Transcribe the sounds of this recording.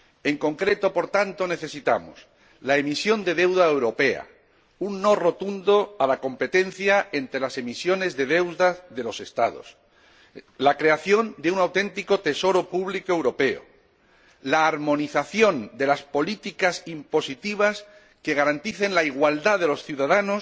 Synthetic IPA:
e̞ŋko̞ŋkɾe̞t̪o̞po̞ɾt̪ant̪o̞ne̞θe̞sit̪amo̰s | lae̞misjo̞nd̪e̞ð̞e̞wðaewɾo̞pe̞a̰ | unːo̞ro̞t̪und̪o̞alako̞mpe̞t̪e̞n̟θjaent̪ɾelase̞misjo̞ne̞zðe̞ðe̞wðaðe̞lo̞se̞st̪a̰ðo̞̰s | lakɾe̞aθjo̞nd̪eunawt̪e̞nt̪iko̞t̪e̞so̞ɾo̞puβlikoe̞wɾo̞pe̞o̰ | laːɾmõ̞niθaθjo̞nd̪e̞laspo̞lit̪ikasimpo̞sit̪iβ̞as | keɣ̞aɾant̪iθe̞nlaiɣwald̪aðe̞lo̞sθjuðaðano̞s

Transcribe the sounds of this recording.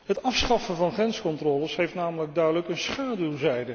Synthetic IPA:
ɦətɑfsχɑfəvɑnχrɛnskɔntrɔːləsɦejftnaːmələɡ̚dœɥdələkənsχaːdylˠzɛjdə

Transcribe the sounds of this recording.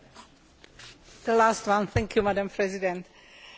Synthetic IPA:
d̪̥əlastwãnθɛ̃ŋkʰjumadãmpʰɹɛzidɛ̃nt

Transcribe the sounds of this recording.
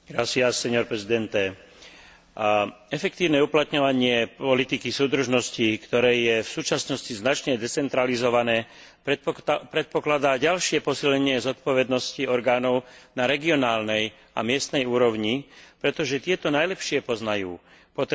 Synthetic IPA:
ɾasiasɛɲɔɾpɾɛzid̪ɛnt̪ɛ | ɛfɛkt̪iːʊnɛuplat̪ɲɔʋaɲɪɛpɔlit̪ikisuːd̪r̩ʒnɔscikt̪ɔɾɛːjɛfsuːt͡ʃasnɔsciznat͡ʃɲɛd̪ɛt͡sɛnt̪ɾalizɔʋanɛː | pɾɛt̪̚pɔklad̪aːɟalʃɪɛpɔsilɲɛɲɪɛzɔt̪̚pɔʋɛd̪nɔsciɔɾɡaːnɔʊnaɾɛɡiɔnaːlnɛj | a̰mɪɛst̪nɛjuːɾɔʊɲipɾɛt̪ɔʒɛt̪ɪɛt̪ɔnajlɛpʃɪɛpɔznajuː | pɔt̪

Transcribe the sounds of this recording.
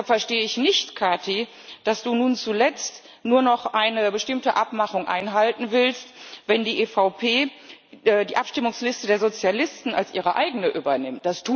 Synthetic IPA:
afɛɐʃteːəɪçnɪçtkʰaɐtʰi | d̥asd̥uːnuːnt͡sulɛt͡st | nuːɐnɔχʔaɪnəbəʃtɪmtəʔapmaχʊŋʔa̰ɪnɦaltn̩vɪlstvɛndiːʔefaʊpʰeː | diːʔapʃtɪmʊŋslɪstədeːɐzot͡sjalɪstn̩a̰lsʔḭːʁ̞əʔa̰ɪɡənəʔyːbɐnɪmt̚d̥astʰuː

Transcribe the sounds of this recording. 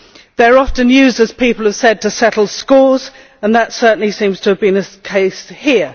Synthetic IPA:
ðəɹɒftə̃njʉːzdəz̥pʰiˑpəl̩ˠəv̥sɛd̚tʰəsɛtl̩ˠskɔːz | ə̃nðətsɜˑ˞ʔn̩lisĩːmz̥tʰəːvbĩnəkʰeɪshiə

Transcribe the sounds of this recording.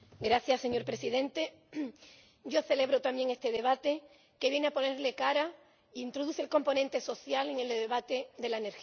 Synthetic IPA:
ɡɾaθjasːe̞ɲo̞ɾpɾe̞siðẽ̞nt̪e̞ | ɟ͡ʝo̞θe̞le̞β̞ɾo̞t̪ambje̞ŋe̞st̪e̞ðe̞β̞at̪e̞ | ke̞βje̞ne̞apo̞ne̞ɾle̞kaɾa | iːnt̪ɾo̞ðuθelko̞mpo̞nẽ̞nt̪e̞so̞θjale̞ŋelðe̞βat̪e̞d̪e̞laeneɾx

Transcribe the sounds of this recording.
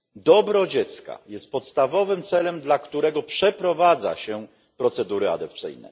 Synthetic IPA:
d̪ɔbɾɔd͡ʑɛt̪ska̰jɛst̪̚pɔt̪st̪avɔvɘmt̪sɛlɛmd̪lakt̪uɾɛɡɔpʂɛpɾɔvad̪za̰ɕɛ | pɾɔt̪sɛd̪uɾɘa̰d̪ɔp̚t̪sɘ̰jnɛ̰

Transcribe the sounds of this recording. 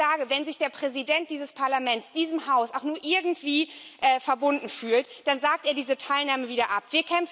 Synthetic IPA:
aːɡəvɛnzɪçd̥eːɐpʁ̥ɛzidɛnt̚d̥iːzəspʰaɐlamɛntsd̥iːzəmhaʊsaʊxnuːɐʔɪɐɡŋ̩tv̥iːʔɛːfɛɐbʊndn̩fyːltd̥anzaːk̚tʔeːɐdiːzətʰaɪlnaːməviːdɐʔapv̥iːɐkʰɛmf

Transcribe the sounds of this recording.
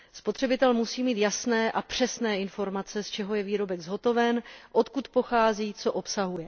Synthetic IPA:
spot̪r̥ɛbɪt̪ɛlmusiːmiːt̪jasnɛːʔapr̝̥ɛsnɛːɪnfo̞ɾmat͡sɛst͡ʃɛɦo̞jɛviːɾo̞bɛɡzɦo̞t̪o̞vɛnʔo̞t̪kut̪po̞xaːziːt͡so̞ʔo̞psaɦujɛ

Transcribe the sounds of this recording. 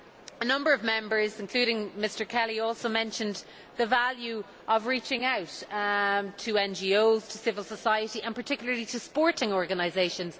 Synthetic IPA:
ənʌ̃mbəɹəvmɛ̃mbə˞zɪ̃nkʰl̥ʉːɾɪ̃ŋmɪstə˞kʰɛliɔːˑlˠsoʊmɛ̃nʃə̃n | ðəvaljʉ | ʔəvɹit͡ʃɪ̃ŋaʊt | tʰəɛ̃nd͡ʒioʊz̥tʰəsɪvəlˠsəsaɪəɾiʔə̃npʰə˞tʰɪkjl̩ˠə˞liɾəspɔɹɾɪ̃ŋɔɹɡənaɪzeɪʃə̃nz̥

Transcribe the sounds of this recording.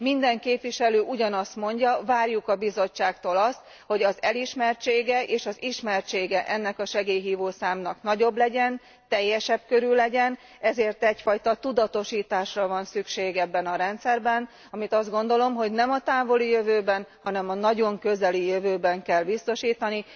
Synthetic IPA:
mind̪ɛŋkeːpʋiʃɛløːʔuɟɒnɒst̪mo̞ɲɟɒvaːrjukɒbizo̞t͡ʃːaːkt̪oːlɒst̪ | ho̞ɟɒzɛliʃmɛrt͡ʃeːɡɛʔeːʃɒziʃmɛrt͡ʃeːɡɛʔɛnːɛkɒʃɛɡeːjɦiːvoːsaːmnɒknɒɟo̞blɛɟɛn | t̪ɛjːɛʃɛb̚køɾylːɛɟɛn | ɛzeːrt̪ɛcfɒjt̪ɒt̪ud̪ɒt̪o̞ʃiːt̪aːʃrɒvɒnsykʃeːɡɛbːɛnɒɾɛnt̪sɛrbɛn | ɒmit̪ɒzd̪ɡo̞n̪d̪olo̞mɦo̞ɟnɛmɒt̪aːvo̞lijøvøːbɛnhɒnɛmɒnɒɟo̞ŋkøzɛlijøvøːbɛŋkɛlbist̪o̞ʃiːt̪ɒni

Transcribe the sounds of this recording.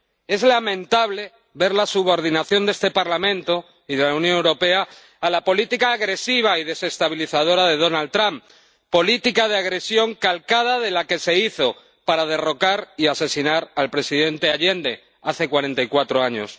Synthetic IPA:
e̞zlamẽ̞nt̪aβle̞ | βe̞ɾlasuβo̞ɾðinaθjo̞nd̪e̞st̪e̞paɾlamẽ̞nt̪o̞ | iðe̞lawnjõnewɾo̞pe̞aː | lapo̞lit̪ikaːɣɾe̞siβ̞aiðe̞se̞st̪aβ̞iliθað̞o̞ɾaðe̞ð̞o̞nalt̪ɾamp | pːo̞lit̪ikaðeaɣɾe̞sjo̞ŋkalkað̞aðe̞lake̞se̞iθo̞ | paɾað̞e̞ro̞kaɾiase̞sinaɾalpɾe̞siðe̞nt̪e̞aʎe̞nd̪e̞ | aθe̞kwaɾẽ̞nt̪ajkwat̪ɾoaɲo̞̰s

